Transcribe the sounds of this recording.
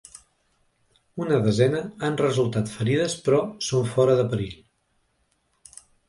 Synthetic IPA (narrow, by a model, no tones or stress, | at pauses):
unəðəzɛnəanrəzulˠt̪at̪fəɾiðəspɾɔsoɱfɔɾəðəpəɾiʎ